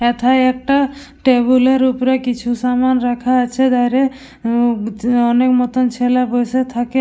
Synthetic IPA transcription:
et̪ʰajek̚ʈa | ʈebuleɾupɾekit͡ʃʰusamanɾakʰaːt͡ʃʰed̪ajɾe | ɔnekmɔt̪ɔnt͡ʃʰelabɔjset̪ʰake

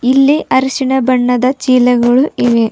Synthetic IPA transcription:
ilːiʔɐɾɐʃiɳɐbɐɳːɐd̪ɐt͡ʃiːlɐɡɐɭuiʋe

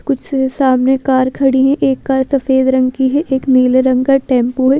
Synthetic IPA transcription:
kʊt͡ʃʰsesaːmnekaːɾkʰɐɽiɦɛ̃ʔeːkːaːɾsɐfeːd̪ɾɐ̃ŋɡkiɦɛʔeːkniːleɾɐ̃ŋɡkaʈɛ̃ːmpoɦɛ

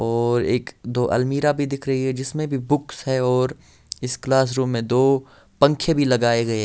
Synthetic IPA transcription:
ɔːɾeːkd̪oːʔɐ̰lmiːɾabʱid̪ɪkʰɾɐɦiɦɛd͡ʒɪsmẽbʱibʊksɦɛɔːɾ | ɪsklaːs̬ɾuːmːẽd̪oː | pɐ̃ŋkʰebʱilɐɡaːeɡɐe

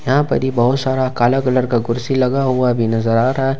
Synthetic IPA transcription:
jɐɦãpɐ̰ɾibɐɦʊt̪saːɾakaːlakɐləɾkaɡʊɾsilɐɡaɦuabʱinɐzəɾaːɾɐɦɛ

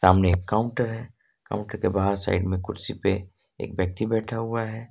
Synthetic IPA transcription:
saːmneeːkːaːʊ̃ɳʈəɾɦɛː | ka̰ʊ̃ɳʈəɾkebaɦaɾsa̰ɪɖmẽkʊɾsipe | ḛːkbjək̚t̪ibɛːʈʰaɦuaɦɛː

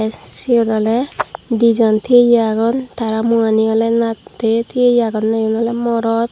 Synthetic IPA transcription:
sid̪ɔlɛd̪id͡ʒɔnt̪ʰiejaɡɔnt̪ʰaɾamuaniɡɔlɛnat̪et̪ʰiejaɡɔnːajɔnɔlɛmɔɾɔt̪̚

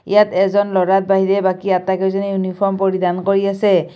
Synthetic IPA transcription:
ḭjatɛzɔnlɔɹat̚baɦiɹɛbakiatakɛzɔnɛjunipʰɔɹmpɔɹidankoɹiasɛ

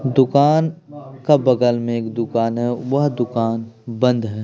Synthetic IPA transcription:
d̪ʊkaːnkabɐɡəlmẽeːkd̪ʊkaːnɦɛʋɐɦd̪ʊkaːnbɐ̃nd̪ɦɛː

